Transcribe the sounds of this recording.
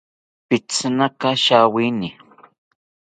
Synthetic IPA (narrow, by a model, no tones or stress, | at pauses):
pɪt͡snakaʃawinɪ